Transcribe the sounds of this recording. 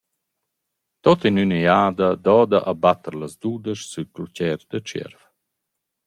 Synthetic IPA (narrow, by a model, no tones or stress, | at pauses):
t̪ot̪inynəjaːd̪əd̪ɔːd̪aʔabat̪əɾləzd̪uːd̪əʃsyklucɛɾd̪ət͡ʃɛ̰ɾv